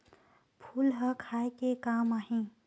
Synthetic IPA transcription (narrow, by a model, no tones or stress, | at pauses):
pʰulɦəkʰaekekamaɦĩ